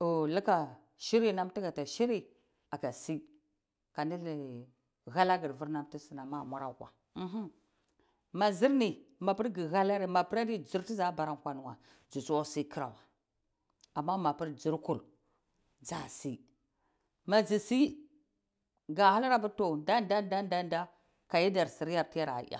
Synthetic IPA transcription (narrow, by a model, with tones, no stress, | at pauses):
o˨li˦ka˨ | ʃi˦ɾi˦na˦mti˦ɡa˨ta˨ʃi˦ɾi˦ | a˨ka˨si˦ | ka˨ni˦l | ɣa˦la˦ɡi˨ɾvu˦ɾna˦mti˦si˨na˨ma˦˨mʷa˦ɾa˨kʷa̰˨ | m̩˨ɦ | ma˨zi˦ɾni˨ma˨pi˦ɾɡi˨ɣa˦la˦ɾi˨ma˨pi˦ɾa˦di˦d͡zi˨ɾti˦za˦ba˨ɾa˦˨kʷa˦nu˦wa˨ | d͡ʒu˨su˦wa˦si˦ki˦ɾa̰˨wa˨ | a˨mːa˦ma˨pi˦ɾd͡ʒi˨ɾku˨l | d͡za˨si˦ | ma˨d͡zi˨si˦ | ɡa˨ha˦la˦ɾa˦bu˦to˨da˦nda˦nda˦nda˦nda˦ | ka˨ji˦da˨ɾsi˨ɾja˦˨ti˦ja˦ɾa̰˨˦a̰˨